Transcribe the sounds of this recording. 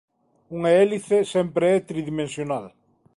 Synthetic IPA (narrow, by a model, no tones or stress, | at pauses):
uŋaeliθesɛmpɾeɛt̪ɾiðimẽnsjonal